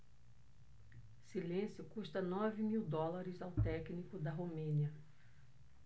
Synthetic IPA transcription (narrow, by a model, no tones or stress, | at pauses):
silẽsjʊkuʃt̪ɐnɔvɪmiwd̪ɔlaɾɪzawt̪ɛknikʊd̪ɐɦomẽniɐ